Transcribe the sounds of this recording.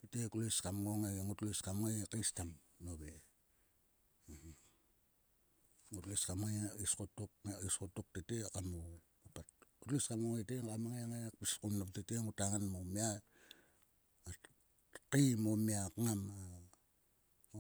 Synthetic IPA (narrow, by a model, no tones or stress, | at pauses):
titekuliskamŋoŋeɡeŋutliskamŋajkistam | nobe | ŋutliskamŋaiskotukeiskotuk̚tetekamu | apatutliskamŋoŋeteŋkamaŋeaŋekpiskumnaptiteŋutaŋanmomia | kimomiakŋama